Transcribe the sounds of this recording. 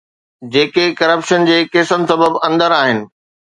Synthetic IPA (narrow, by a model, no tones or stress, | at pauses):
d͡ʑeːkekɐɾəpʃənd͡ʑeːkeːsən̆sɐbəbɐ̃nd̪əɾaːɦɪnɪ̆